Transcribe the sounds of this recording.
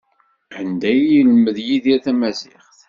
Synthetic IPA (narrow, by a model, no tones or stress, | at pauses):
ʕənd̪æjilməðjiðiθæmæzɪχθ